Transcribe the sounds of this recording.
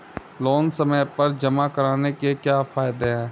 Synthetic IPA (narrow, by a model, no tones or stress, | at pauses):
loːnsəməjpəɾd͡ʒəmakəɾaːnekekjaːfʰaːɪd̪eɦɛ̃ː